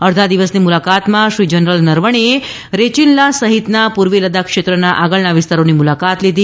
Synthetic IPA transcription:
əɽd̪ʱad̪iʋəsnimulakat̪mãʃʋid͡ʒənɾəlnəɾʋəɳ̃e | ɾet͡ɕinlasəɦit̪napuɾʋeləd̪akʂet̪ɾənaʔaɡəɭɳaʋist̪aɾonimulakat̪lid̪i

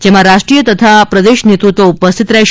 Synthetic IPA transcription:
d͡ʒemãɾaʃʈɾijət̪ət̪ʰapɾəd̪eʃnet̪ɾut̪ʋoupəst̪ʰit̪ɾaj

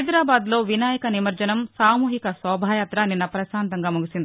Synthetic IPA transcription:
jd̪ɾaːbaːd̪lo̞ːʋinaːjɐkɐnimɐɾd͡ʒɐnɐmsaːmuːɦikɐsɔːbʱaːjaːt̪ɾɐninːɐpɾɐʃaːnt̪ɐŋɡaːmuɡisind̪i

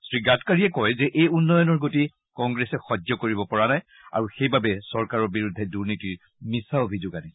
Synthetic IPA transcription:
sɹiɡatkaɹiɛkɔjzɛʔejunːɔjɔnɔɹɡoti | kɔŋɡɹesɛxɔd͡ʒɔkoɹibɔpɔɹanaj | a̰ɹuxejbabɛsɔɹkaɹɔɹbiɹudʱːɛduɹnitiɹ | misaobʱid͡ʒoɡani

